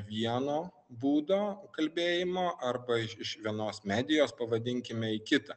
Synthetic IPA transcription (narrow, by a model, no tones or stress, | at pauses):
ʋʲiɛnoː | buːd̪oːkɐlʲbʲeːjɪmoːʔɐɾbɐɪɪʃʋʲiɛnoːsmʲæːd̪ʲɪjoːspɐʋɐd̪ʲɪŋʲkʲɪmʲɛɪkʲɪt̪ɐ